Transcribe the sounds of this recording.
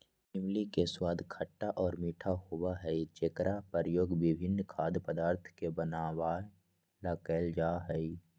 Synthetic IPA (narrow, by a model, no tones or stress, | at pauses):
ɪmlikeswaːd̪ʱkʰəʈːaʔɔːɾmiːʈʰahowaɦɛid͡ʒeːkɾapəɾəjoːɡʋɪbʱɪnːkʰaːd̪pəd̪aːɾt̪ʰkebənaːwaː | lakəld͡ʒaːɦɛi